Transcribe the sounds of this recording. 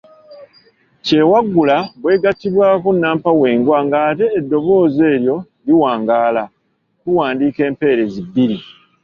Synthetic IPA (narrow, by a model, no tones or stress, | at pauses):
ce̞waɡːulaβwe̞ːɡatːiβwaːkonːaːmpawe̞ːŋɡwaŋɡaːte̞ːdːo̞βo̞ːze̞ːɾjo̞ | liwaːŋɡaːla | kuwaːndiːke̞ːmpe̞ːɾe̞zibːiɾi